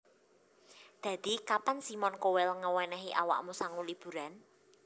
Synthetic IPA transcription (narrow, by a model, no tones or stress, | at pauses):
d̪̥ä̤d̪̥i̤kapansimɔnkowɛlŋəwɛnɛɦiʔa̰wa̰ʔmusaŋulib̥ṳɾan